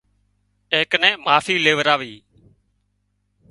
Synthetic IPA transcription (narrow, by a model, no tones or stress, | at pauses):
eːknɛ̃ːmaːfiːleːʋəɾaːʋiː